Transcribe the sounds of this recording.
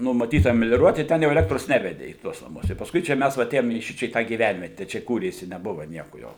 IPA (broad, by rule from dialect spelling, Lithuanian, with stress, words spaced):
nʊmɐˈtʲiːtɐ mʲɛlʲoːˈruɔt ɪ ˈtʲɛn jɛʊ ɛˈlʲæːktroːs ˈnʲæːʋʲɛdʲɛ iː ˈtuɔs nɐˈmʊs jɛʊ pɐsˈkʊɪ t͡ʃʲɛ ˈmʲɛs ʋɐ ɐˈtʲeːjoːm iː ˈʃʲɪt͡ʃʲɛ iː ˈtɑː ɡʲiːˈʋʲænʲʋʲiɛtʲɛ t͡ʃʲɛ ˈkuːrʲeːsʲɪ nʲɛˈbʊʋɐ ˈnʲiɛkʊ jɛʊ